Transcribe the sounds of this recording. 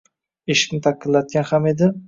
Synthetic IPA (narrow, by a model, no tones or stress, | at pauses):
eʃɪ̥kʲnɪt̪ʰaqːɨlat̪̚ɡʲanhame̞d̪ɪ